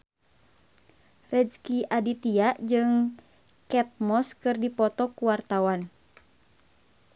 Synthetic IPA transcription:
rɛd͡ʒkiʔadit̪iaʔd͡ʒɨŋ | kɛt̪̚mɔskɨrdipɔt̪ɔkuwart̪awan

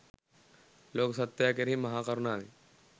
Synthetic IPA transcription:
loːksət̪ːjakeɾɦimɐɦakəɾnaːli

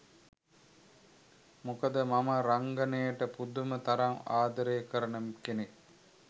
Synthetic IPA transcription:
mukəd̪əmaməɾaŋɡɐnejəʈəpud̪umət̪aɾaŋaːd̪ɐɾeːkəɾənəmkene

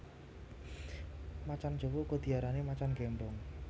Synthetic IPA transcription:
mat͡ʃan̥d͡ʒ̥o̤wɔkɔd̪̥i̤aɾanemat͡ʃanɡɛmbɔŋ

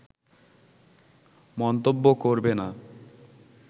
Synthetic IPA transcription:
mɔnt̪obːokoɾbena

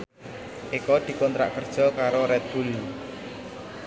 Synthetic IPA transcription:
ʔikɔd̪̥i̤kɔnt̪ɾa̰ʔkərd̥ʒ̥ɔ̤kaɾoɾɛt̪̚bṳl

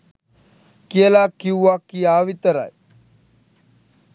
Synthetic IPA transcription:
kiəlakːiwʋakːiaːʋit̪əɾa̰j

